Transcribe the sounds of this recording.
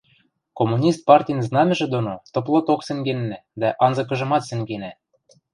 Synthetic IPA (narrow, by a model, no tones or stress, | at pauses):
komːunʲist̪̚pɑrtʲijnznɑmʲɘ̆ʒɘ̆d̪onot̪ɤ̆plˠot̪oksɘ̆ŋɡenːɘ̆d̪æʔɑnzɤ̆k̬ɤ̆ʒɤ̆mɑt̪sɘ̆ŋɡenæ